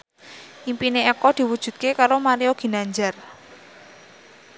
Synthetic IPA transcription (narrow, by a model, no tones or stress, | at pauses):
ʔimpineɛkɔd̪̥i̤wud̥ʒ̥ṳt̪̚kekaɾomaɾioɡ̥i̤naɲd͡ʒar